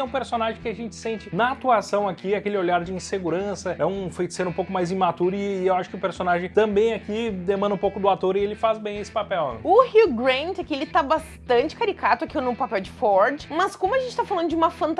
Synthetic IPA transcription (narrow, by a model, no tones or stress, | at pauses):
ɛũpeɾsonaʒẽj̃kɪaʒẽnt͡ʃɪ̥sẽnt͡ʃɪnɐat̪uasɐ̃w̃akiakelɪoʎaɾd͡ʒɪĩseɡuɾɐ̃sɐɛũfejt͡ʃseɾʊ̃ũpowkʊmajzĩmat̪uɾɪːewaʃʊ̥kɪʊpeɾsonaʒẽj̃t̪ɐ̃mbẽj̃akid̪emɐ̃nd̪ʊ̃ũpowkʊd̪ʊat̪oɾɪelɪfazbẽj̃esɪ̥papɛwʊhiɡɾẽnt̪ɛkielɪt̪abast̪ɐ̃nt͡ʃɪ̥kaɾikat̪ʊakinʊpapɛwd͡ʒɪfɔɾd͡ʒɪmɐskõmʊɐʒẽnt͡ʃɪt̪afalɐ̃nd̪ʊd͡ʒɪũmɐfɐ̃nt̪